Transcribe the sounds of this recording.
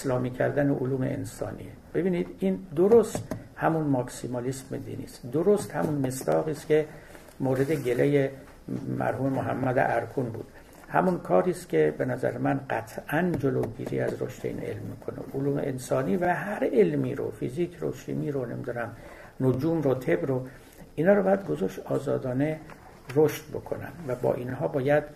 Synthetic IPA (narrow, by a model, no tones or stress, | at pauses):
eslɒːmiːkʰæɾd̪æneʔoluːme̞̰ʔḛnsɒ̰ːnḭːeb̥e̞biːniːd̪iːnd̪oɾost̪hæmunmɒksimɑlismed̪ḭːnḭːst̪d̪oɾost̪hæmunmesd̪ɒːɣiːskʲe̞ | moːɾe̞d̪eɟe̞leje | mæ̰ɾhuːmemoɦæ̰mːæd̪ḛʔæɾkʰunbṵːd̪̥ | hæmunkʰɒːɾiːskʲʰe̞be̞næzæ̰ɾemænɢæt̪ʰʔænd͡ʒoloːɟḭːɾḭːæzɾo̰ʃt̪e̞̰ḭne̞̰lmːiːkʰonḛʔoluːme̞̰ensɒːniːvæɦæɾelmiːɾo̰fḭziːkʰro̰ʃḭːmiːɾone̞mid̪unæm | nod͡ʒuːmɾot̪ʰe̞bɾo | iːnɒːɾobɒːjæd̪ɡozoʃt̪ɒːzɒːd̪ɒːne̞ | roʃt̪̚bo̞̰kʰo̞̰næ̰nd̪væbɒ̰ːʔiːnɦɒːbɒːjæd̪̥